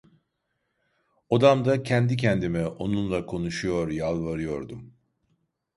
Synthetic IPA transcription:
od̪amd̪acʰɛnd̪icʰɛnd̪imɛo̞nunlˠakʰo̞nuʃujo̞ɾjalˠvaɾɯjo̞ɾd̪um

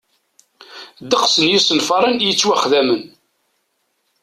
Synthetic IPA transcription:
d̪əqsənjisənfɑɾˤənjət͡sːwæχðæmən

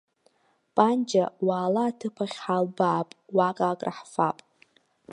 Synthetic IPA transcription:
pʼand͡ʒawaːlaːtʰɨpʰaχʲħalbaːpʼwakʼakʼra̰ħfapʼ

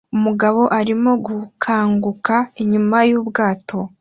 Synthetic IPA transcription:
umuɡaβo̞ʔaɾimo̞ɡukʰaːŋɡukaiɲumajuːbɡaːto̞

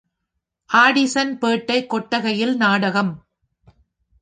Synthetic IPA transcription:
ʔaːɽɪsɐnpeːʈːɐɪkːɔʈːɐɣɐjɪlnaːɽɐɣɐm

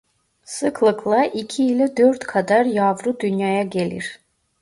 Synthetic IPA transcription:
sɯkʰlˠɯkʰlˠɑʔicʰiːlɛd̪øɾt̪kʰad̪ɑɾjɑvɾud̪ynjɑːjaɡʲelḭɾ

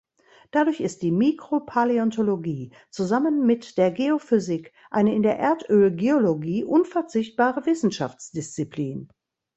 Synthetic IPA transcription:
d̥adʊɐçɪst̚d̥iːmikʁ̥opʰaleɔntʰoloɡiː | t͡suzamənmɪtd̥eːɐɡeofyzɪk | ʔaɪnəɪndeːɐʔeːɐtøːlɡeoloɡiːʔʊnfɛɐt͡sɪçt̚b̥aːʁəvɪsn̩ʃa̰ft͡sd̥ɪst͡sipliːn

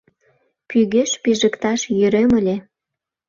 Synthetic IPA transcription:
pyɣeʃpiʒə̆kt̪ɑʃjyɾemə̆lʲe

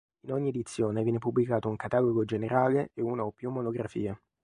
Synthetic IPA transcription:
inoɲːied̪it̪sːjoːnevjɛnepubːlikaːt̪ouŋkat̪aːloɡod͡ʒeneɾaːleʔeuːnaopːjumːonoɡɾafḭːe

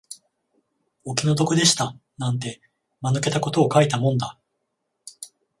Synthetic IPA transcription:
o̞kʲino̞d̪o̞kod̪e̞ɕi̥t̪anãnt̪̬e̞ | manɯ̟ke̞t̪ako̞t̪o̞ːkait̪amõ̞nd̪a

